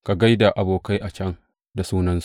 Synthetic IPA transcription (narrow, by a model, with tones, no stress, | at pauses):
ka˨ɡa˦jda˨ʔa˨boː˨ka˦jʔa˨t͡ʃʲɐ˦ŋ | da˨suː˦nɐ˦ns